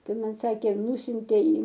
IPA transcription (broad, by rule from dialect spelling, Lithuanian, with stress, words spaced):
tuɔˈmʲɛt ˈsɑːkʲeː ˈnʊsʲʊnʲtʲeː iː